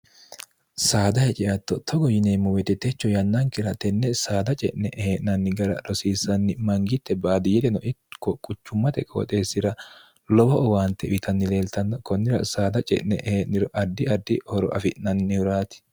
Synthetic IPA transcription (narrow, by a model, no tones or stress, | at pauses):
saːd̪ɐhɛt͡ʃʼɛʔɐt̪ːɔt̪ʰɔɡɔjɪneːmːʊwɛt̪ɛt̪ɛt͡ʃːɔjɐnːɐŋkɪɾɐt̪ɛnːɛsaːd̪ɐt͡ʃʼɛ̰ʔnɛʔheːʔnɐnːɪɡɐɾɐ̰ɾɔsiːsɐnːɪmɐŋɡɪt̪ːɛbaːd̪ɪjɛt̪ɛnɔʔɪkːɔkʼʊt͡ʃːʊmːɐt̪ɛkʼo̰ːt̪ʼe̞ːsːɪɾɐ | lɔbɔʔɔwaːnt̪ːɛɪt̪ʰɐnːɪle̞ːlt̪ɐnːɔkɔnːɪɾɐsaːd̪ɐt͡ʃʼɛ̰ʔnɛʔheːʔnɪɾɔʔɐd̪ːɪɐd̪ːɪhɔɾɔ̰ʔɐ̰fɪʔnɐnːɪhʊɾaːt̪ɪ̥